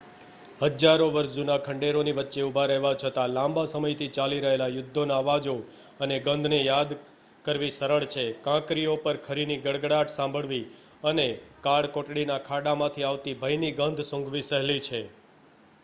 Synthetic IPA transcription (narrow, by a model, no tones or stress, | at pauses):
ɦəd͡ʒaɾoʋəɾʃd͡ʒunakʰəɳɖeɾoniʋətːʃeubʱaɾəɦʋat͡ʃʰət̪alãmbʱasəməjt̪ʰit͡ʃaliɾəɦelajʊd̪ʱːonaəʋad͡ʒo | əneɡə̃nd̪ʱnejad̪ | kəɾʋisəɾəɭt͡ʃʰekãkɾiopəɾkʰəɾiniɡəɽɡɽaʈʰsãmbʱəɭʋi | ənekaɽkoʈɽinakʰaɽamãt̪ʰiaʋt̪ibʱəjniɡənd̪ʱsõŋɡʋisəɦlit͡ʃʰe